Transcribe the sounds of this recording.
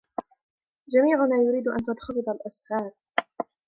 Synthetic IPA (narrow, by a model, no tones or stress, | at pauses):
d͡ʒamiːʕʊnaːjʊɾiːd̪ʔa̰nt̪ad̪xɑbɨd̪ˤalʔashɑːɾˤ